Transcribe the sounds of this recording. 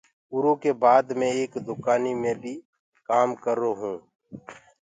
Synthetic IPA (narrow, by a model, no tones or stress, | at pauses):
ʊɾõkebaːd̪mẽeːkd̪ʊkaːnimẽbʱi | kaːmkəɾːoɦũː